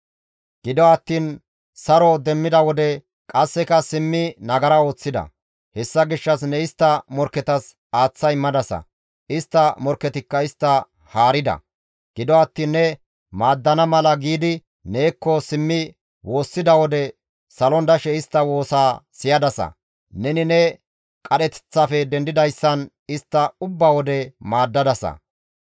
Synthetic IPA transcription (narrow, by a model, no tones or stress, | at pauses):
ɡ̥ɪd̪ɔɐt̪ːiːn | sɐɾɔd̪ɛmːɪd̪ɐwɔd̪ɛ | kʼɐsːɛkɐsɪmːɪnɐɡɐɾɐo̞ːt͡sːɪd̪ɐ̰ | hɛsːɐɡɪʃːɐs̬nɛɪst̪ːɐmɔɾkːɛt̪ɐs | aːt͡sːɐjmɐd̪ɐsɐ̰ | ɪst̪ːɐmɔɾkːɛt̪ɪkːɐɪst̪ːɐ | haːɾɪd̪ɐ̰ | ɡ̥ɪd̪ɔɐt̪ːiːnːɛ | maːd̪ːɐnɐmɐlɐɡiːd̪ɪ | ne̞ːkːɔsɪmːɪ | wo̞ːsːɪd̪ɐwɔd̪ɛ | sɐlɔnd̪ɐʃɛɪst̪ːɐwo̞ːsaːsɪjɐd̪ɐsɐ̰ | nɛnɪnɛ | kʼɐɗɛt̪ɛ̥t͡sːɐfɛd̪ɛnd̪ɪd̪ɐjsːɐn | ɪst̪ːɐʊbːawɔd̪ɛmaːd̪ːɐd̪ɐsɐ̰